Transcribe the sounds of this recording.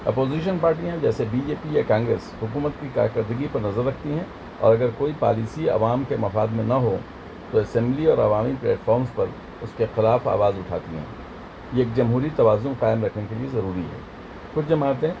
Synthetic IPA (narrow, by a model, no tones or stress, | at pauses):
ɐ̰poːziːʃ̬ənpaːɾʈijãd͡ʒɛːsebiːd͡ʒeːpijakãːŋɡɾḛːshʊkuːmət̪kika̰ːɾkɐɾd̪əɡipɐɾnɐzəɾːɐkʰt̪iɦɛ̃ | ɔ̰ːɾɐɡəɾkoːipa̰ːliːsiɐ̰ʋaːmkemɐfaːd̪mẽnɐɦo | t̪oɐsɛ̃mbliɔːɾɐ̰ʋaːmiplɛ̰ːʈfɔːɾmspɐɾ | ʊskexɪlaːfa̰ːʋaːzʊʈʰa̰ːt̪iɦɛ̰̃ː | jeeːk̚d͡ʒɐmɦuːɾit̪ɐʋaːzʊ̃nqaːɪmɾɐkʰnekeliezɐɾuːɾiɦɛ̰ː | kʊt͡ʃʰd͡ʒɐmaːt̪ɦɛ̃